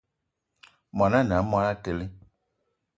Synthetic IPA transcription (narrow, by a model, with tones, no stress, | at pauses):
mã˨nã˦˨n˨ã˨˦mã˧la˦te˧li˦